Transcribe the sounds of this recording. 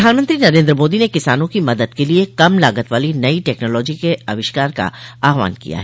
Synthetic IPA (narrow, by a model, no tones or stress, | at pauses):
d̪ʱaːnmə̃nt̪ɾinɐɾẽːnd̪ɾəmoːd̪inekɪsaːnõkimɐd̪əd̪keliekɐmlaːɡət̪ʋaːlinɐiʈɛːknɔːlɔːd͡ʒikeɐʋɪʃkaːɾka̰aːɦʋa̰ːnkḭja̰ɦɛː